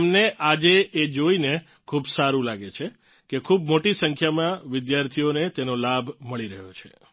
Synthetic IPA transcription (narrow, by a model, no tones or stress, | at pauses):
mneʔad͡ʒeʔːd͡ʒoine | kʰubsaɾũlaɡet͡ʃʰe | kekʰubmoʈisəŋkʰjamãʋɪd̪jaɾt̪ʰionet̪enolabʱməɭiɾə̰ɦjot͡ʃʰḛ